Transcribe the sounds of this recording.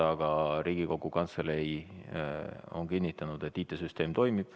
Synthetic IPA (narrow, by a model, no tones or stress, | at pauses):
ɑɡ̥ɑɾiːɡ̥iko̞ɡukɑnt̪selej | o̞nkinʲːit̪ːˑɑnud̪̥e̞t̪ːiːt̪ːˑesyst̪e̞ːmt̪o̞jmib̥